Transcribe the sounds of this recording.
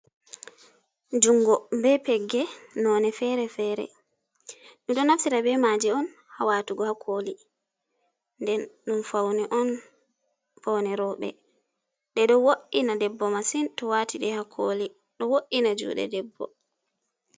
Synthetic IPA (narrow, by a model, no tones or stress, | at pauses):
d͡ʒuŋɡɔbɛpɛɡːɛnɔːnɛfɛɾɛfɛːɾɛ̰ | ɗiɗɔnafsiɾabɛmad͡ʒɛɔn | hawatuɡɔhakʰoli | ndɛnɗunfawniʔɔn | fɔwnɛɾɔɓɛ̰ | ɗɛɗɔwoʔinadɛbːɔmasintɔwatiɗɛhakʰoli | ɗɔwoʔinad͡ʒṵːɗɛ̰dɛbːɔ̰